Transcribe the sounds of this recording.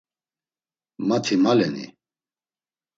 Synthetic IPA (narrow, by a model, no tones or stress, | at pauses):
mat̪ʰimalɛnḭ